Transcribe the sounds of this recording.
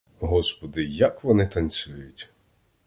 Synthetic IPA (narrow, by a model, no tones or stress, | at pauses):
ɦɔspɔd̪ɪjɐkʋɔnɪt̪ɐnʲsʲujʊtʲ